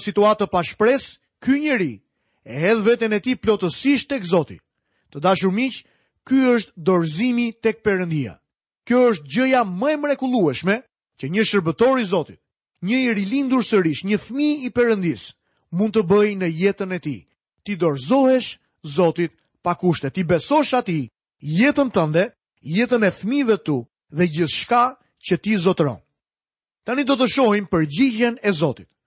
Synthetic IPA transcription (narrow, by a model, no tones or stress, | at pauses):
sit̪uat̪əpaʃpɾɛs | kyɲəɾi | ɛɦɛðvɛt̪ɛnɛt̪iplɔt̪əsiʃt̪ɛkzɔt̪ḭ | t̪əd̪aʃuɾmic | kyəʃt̪d̪ɔɾzimit̪ɛk̚pɛɾənd̪ia̰ | kjɔəʃ̬t̪̚ɟəjaməɛməɾɛkulˠuɛʃmɛ | cəɲəʃəɾbət̪ɔɾizɔt̪it̪̚ | ɲəjəɾilind̪uɾsəɾiʃɲəfmiːpɛɾənd̪is | munt̪əbəjnəjɛt̪ənɛt̪ḭ | t̪id̪ɔɾzɔɦɛʃ | zɔt̪it̪̚ | pakuʃt̪ɛt̪ibɛsɔʃat̪i | jɛt̪ənt̪ənd̪ɛ | jɛt̪ənɛθmivɛt̪u | ðɛd͡ʑiθʃka | cət̪izɔt̪əɾɔ̰n | t̪anid̪ɔt̪əʃɔɦimpəɾɟid͡ʑɛnɛzɔt̪i̥t̪